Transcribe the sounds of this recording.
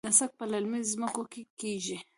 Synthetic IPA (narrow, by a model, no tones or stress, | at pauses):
asak̚palalmizzməkokekiʒi